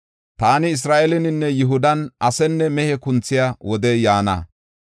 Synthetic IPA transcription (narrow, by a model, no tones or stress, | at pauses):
t̪aːnɪɪs̬ɾaːʔɛlɪnɪnːɛjɪɦʊd̪ɐnɐsɛnːɛmɛhɛkʊnt͡sːɪjawɔd̪ɛjaːnɐ̰